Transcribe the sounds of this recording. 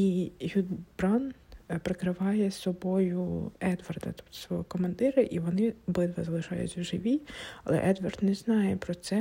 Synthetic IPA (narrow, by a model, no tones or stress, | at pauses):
iɦʲud̪bɾɑnpɾɪkɾɪʋɑjɛsɔbɔjʊɛd̪ʋɐrd̪ɐ̰t̪ɔ̥pt̪ɔ̥sʋɔɦɔkɔmɐnd̪ɪɾɪʔiʋɔnɪbɪd̪ʋɐzɐlˠɪʃɑjʊ̰t͡sʲɐʒɪʋʲiɐ̰lˠɛ̰ʔɛd̪ʋɐrd̪nɛznɑjɛpɾɔt̪sɛ